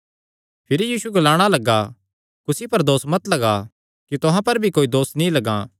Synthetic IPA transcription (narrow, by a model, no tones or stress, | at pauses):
pʰɪɾijiːsueɡɐlaːɽ̃alɐɡa | kʊsipɐɾd̪oːsmɐt̪lɐɡa | kit̪ʊɦãpɐɾbʱikoːid̪oːsnĩlɐɡãː